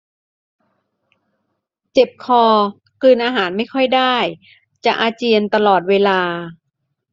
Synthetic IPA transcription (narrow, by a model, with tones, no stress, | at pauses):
t͡ɕe˨˩p̚kʰɔː˧ | kɯː˧nʔaː˧ɦaː˩˦nma˥˩jkʰɔ˥˩jdaː˥˩j | t͡ɕa˨˩ʔaː˧t͡ɕi˧ənt̪a˧lɔː˨˩t̪̚weː˧laː˧